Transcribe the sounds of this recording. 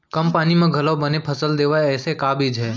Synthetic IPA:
kəmpaːnimẽɡʱɐlobənepʰəsəld̪eːʋaeɛːsekaːbʱid͡ʒʱɦɛː

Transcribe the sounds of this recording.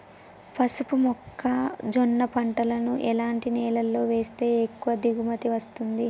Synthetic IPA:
pɐsupumɔkʰːɐd͡ʒɔnːɐpɐɳʈɐlɐnuʔɛlaːɳʈinɛːlɐlːo̞ːʋe̞ːst̪e̞ːekːuʋɐd̪iɡumɐt̪iʋɐst̪und̪i

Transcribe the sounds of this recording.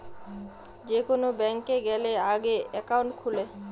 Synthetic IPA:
d͡ʑekonobɛŋkeɡɛleaɡeɛkawɳʈkʰule

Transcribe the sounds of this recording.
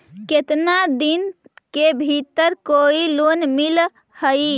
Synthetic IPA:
ket̪nad̪inkebʱit̪əɾkoilonmil | həi

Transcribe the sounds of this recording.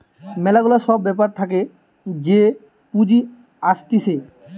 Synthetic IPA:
mɛlaɡulaɾʃɔbːɛpaɾt̪ʰake | d͡ʑe | pud͡ʑi | aʃt̪iʃe

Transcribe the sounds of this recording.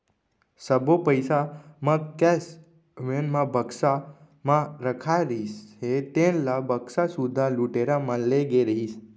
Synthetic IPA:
səbʱopəjsamãkɛs | ʋenmãbʱəksa | mãɾəkʰajɾiset̪ẽnlabʱəksasud̪ʱaluʈeɾamãnleɡeɾəɦis

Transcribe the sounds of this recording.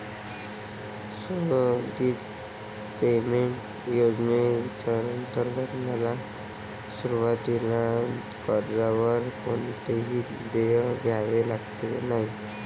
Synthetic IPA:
soɡiːt̪ | pemeɳʈ | jod͡zneit͡ɕaɾənt̪əɾɡəɾmala | suɾuʋat̪ila | kəɾd͡zaʋəɾkont̪eɦiː | d̪ejɡʱjaʋelaɡt̪enaɦi

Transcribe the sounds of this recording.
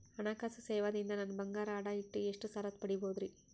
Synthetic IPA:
ɐnaːkaːsɐseːʋad̪ind̪ɐnɐnːɐbɐŋɡaːɾaːɽaiʈːueʂʈusɐɾɐt̪̚pɐɽiboːd̪ɾi

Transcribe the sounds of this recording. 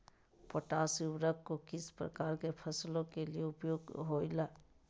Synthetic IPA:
poʈaːsiʊwɾəkːokɪspɾə̰kaːɾkepʰəslõkelijeʊpjoːɡɦoːilaː

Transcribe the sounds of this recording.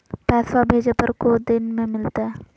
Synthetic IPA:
pɛːsabʱeːd͡ʒepəɾkod̪ɪnmẽmɪlt̪aɦɛː

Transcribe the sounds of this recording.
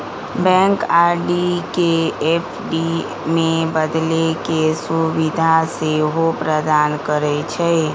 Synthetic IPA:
bɛ̃ŋkaɾɖikeepʰɖi | mẽbəd̪lekesuʋid̪ʱaseɦopɾəd̪ankəɾɛt͡ʃʰɛ

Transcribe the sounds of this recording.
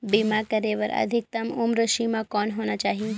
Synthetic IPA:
bimakəɾeʋəɾə̰d̪ʱik̚t̪əmumɾəʃimãkɔnɦonat͡ʃaːɦĩ

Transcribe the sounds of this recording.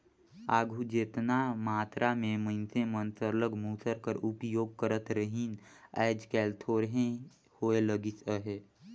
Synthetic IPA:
aːɡʱud͡ʒeːt̪namaːt̪ɾʔamẽməɪnsẽmənsəɾləɡmuːsəɾkəɾupjoːɡ̚kəɾət̪ɾəɦinɛ̰ːɪd͡ʒkɛːlt̪ʰoːɾɦẽ | hoːeləɡisəɦe

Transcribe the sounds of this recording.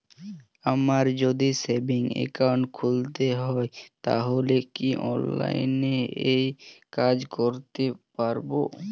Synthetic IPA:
amaɾd͡ʑod̪isebiŋḛkawɳʈkʰult̪eɦɔet̪a̰ɦolekiʔɔ̰nla̰jneejkad͡ʑkoɾt̪epaɾbo

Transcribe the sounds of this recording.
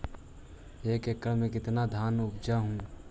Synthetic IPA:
eːkekːəɾmẽkɪt̪nad̪ʱaːnʊb̚d͡ʒaɦũː

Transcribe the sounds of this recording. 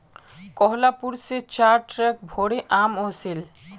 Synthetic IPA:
kɔɦlapuɾset͡ɕaɾʈɾɛk̚bʱoɽeʔamosil

